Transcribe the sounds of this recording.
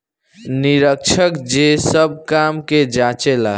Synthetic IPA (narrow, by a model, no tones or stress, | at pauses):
niɾəkt͡ʃʰəkd͡ʒesəb̚kamked͡ʒat͡ʃela